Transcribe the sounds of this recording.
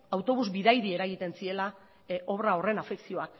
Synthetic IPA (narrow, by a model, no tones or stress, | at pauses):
awt̪o̞β̞uzbiðajðie̞ɾaɣit̪e̞nsie̞la | ʔo̞βɾao̞re̞nafeksio̞ak